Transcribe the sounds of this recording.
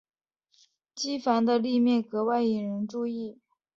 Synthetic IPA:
t͡ɕi˥fa˧˥nd̪ə˧li˥˧mjɛ˥˩nkɤ˧˥wa˥˩ɪi˨˩ɻə˧˥nʈ͡ʂu˥˧i˥˩

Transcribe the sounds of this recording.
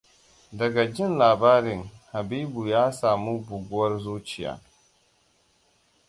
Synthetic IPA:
dɐ˨ɡa˨d͡ʒɪ˦nlaː˨baː˦ɾɪ˨ŋha˨biː˦bu˨jaː˦saː˨mu˦bʊ˨ɡʷʊ˦wɐ˦rzuː˦t͡ʃɪ˨ja̰ː˦

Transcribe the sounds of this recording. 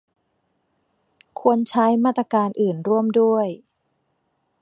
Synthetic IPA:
kʰu˧ənt͡ɕʰa˦˥jmaː˥˩t̪ːɾa˧kaː˧nʔɯː˨˩nɾu˥˩əmdu˥˩əj

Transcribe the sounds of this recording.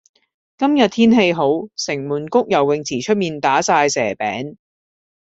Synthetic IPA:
kɐ˥mjɐ˨t̚t̪ʰiː˥nɦe˧jɦo˨˥wsɪ˨˩ŋmuː˨˩nkʊ˥k̚jɐ˨˩wːɪ˨ŋt͡sʰiː˨˩t͡ʃʰɵ˥t̚miː˨nt̪aː˨˥saː˧jsɛː˨˩pɛ̰ː˨˥ŋ

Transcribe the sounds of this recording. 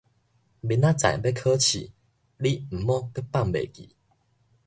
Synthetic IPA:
bi˨˧˦nã˦t͡sã̰˨˩jbe˦kʰə˦t͡ɕʰḭ˨ | li˦m̩˨˩mɔ̃˦kə˦pa˥˨ŋbḛ˨˩kḭ˨˦

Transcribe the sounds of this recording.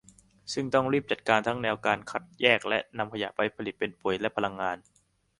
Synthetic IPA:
sɯ˥˩ŋt̪ɔ˥˩ŋɾiː˥˩p̚t͡ɕa˨˩t̪̚kaː˧nt̪ʰa˦˥ŋnɛː˧wkaː˧nkʰa˦˥t̪̚jɛː˥˩k̚lɛ˦˥ʔna˧mkʰa˧ja̰˨˩pa˧jpʰa˧li˨˩t̪̚pe˧npu˨˩ə˦jlɛ˦˥ʔpʰa˧la˧ŋːaː˧n

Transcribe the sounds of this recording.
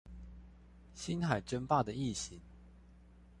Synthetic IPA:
ɕi˦nxa˨˩ɪʈ͡ʂə˥˦npa˥˨d̪ə˩i˥˩ɕi˨˦ŋ

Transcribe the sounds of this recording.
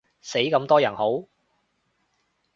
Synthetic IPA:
se˨˥jkɐ˧˥mt̪ɔː˥jɐ˨˩nho˨˥w

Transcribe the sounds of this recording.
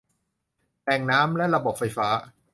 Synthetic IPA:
lɛː˧˩ŋnaː˦˥mlɛ˦˥ɾa˧bo˨˩p̚fa˧jfaː˦˥

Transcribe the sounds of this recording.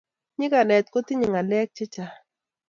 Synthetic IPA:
ɲɪ˦ka˨nɛ˨t̪̚ko˦t̪i˦ɲɪ˨ŋa˨lɛ˦k̚t͡ʃɛ˦t͡ʃa˨

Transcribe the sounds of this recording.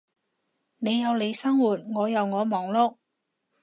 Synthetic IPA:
ne˨˧jːɐ˨˧wle˨˧jsɐ˥ŋwuː˨˩t̚ŋɔː˨˧jɐ˨wŋɔː˨˧mɔː˨˥ŋlo˥k̚

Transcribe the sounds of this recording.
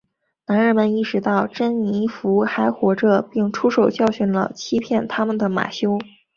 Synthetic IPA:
na˧˥nɻə˧˥nmə˧ni˥˩ʂɻ̩˧˥t̪ɑ˥˩ʊʈ͡ʂə˥nni˧˥fu˧˥xa˧˥ɪxwɔ˧˥ʈ͡ʂə˧pi˥˩ŋʈ͡ʂʰu˥ʂo˨˩ʊt͡ɕjɑ˥˩ʊɕy˥˩nlə̰˩t͡ɕʰi˥pʰjɛ˥˩nt̪ʰa˥mə˨nd̪ə˩ma̰˨˩ɕjo˥ʊ

